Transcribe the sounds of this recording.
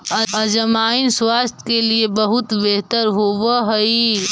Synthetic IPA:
ɐd͡ʒəmaːinswaːst̪ʰkeliebɐɦʊt̪beɦt̪əɾɦoʋaɦɐi

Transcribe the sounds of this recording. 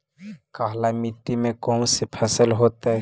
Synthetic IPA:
kaːɦlamiʈ̪ːimẽkɔːmsepʰəsəlɦoːt̪aɛ

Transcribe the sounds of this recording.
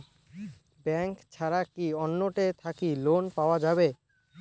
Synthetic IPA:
bɛŋkt͡ɕʰaɾakiɔnːoʈet̪ʰakilonpaoad͡ʑabe

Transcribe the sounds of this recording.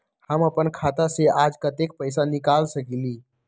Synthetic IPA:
həməpənkʰat̪asead͡ʒkət̪ek̚pəjsanikalsəkili

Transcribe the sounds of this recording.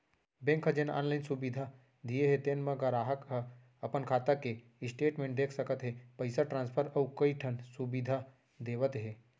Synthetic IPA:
bẽŋkʰɦəd͡ʒena̰ːnlaːɪnsubid̪ʱa | d̪ijeɦet̪enmeɡəɾaːɦəkɦə | əpənkʰaːt̪ake | ɪsʈeːʈmẽːɳʈ̚d̪eːkʰsəkət̪ɦepəɪsaʈɾãːnspʰəɾəukəiʈʰənsubid̪ʱa | d̪eːʋət̪ɦe

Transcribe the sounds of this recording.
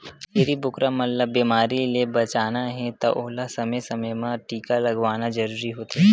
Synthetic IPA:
jeɾibʊkɾamɐt̪ləbːiːmaːɾilebɐt͡ʃaːnaɦɛ̃t̪ɐ̰ʔoɦlasɐməjsɐməjmãʈiːkalɐɡʋaːnad͡ʒɐɾuːɾiɦoːt̪iɦɛ

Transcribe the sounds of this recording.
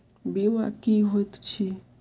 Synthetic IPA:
biwa̰kiɦot̪t͡ʃʰi

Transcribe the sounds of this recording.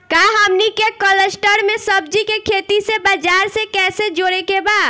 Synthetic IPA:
kaɦəmnikekələsʈəɾmẽsəb̚d͡ʒikekʰeːt̪isebəd͡ʒaːɾsekɛːsed͡ʒoːɾekebaːd̪

